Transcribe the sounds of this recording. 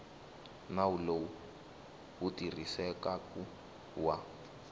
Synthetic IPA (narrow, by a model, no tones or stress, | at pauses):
nawulou | wutir̤isɛkaku | wa